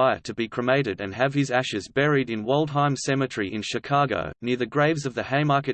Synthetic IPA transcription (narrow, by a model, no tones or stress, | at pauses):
ɪə̰ɾʰɨbikʰɹ̥ɨmeɪɾɨɾɨ̰̃nɨv̥ɨzæʃɨzbɛɹiɾɨ̃nwɔɪlˠd̥̚ɦãɪ̃msɛmɨt͡ʃɹ̥iʔɨ̃nʃɨkʰɑɡo̰ʊnɪɹðɨɡɹeɪvzʌvðɨheɪmɑɹkɨ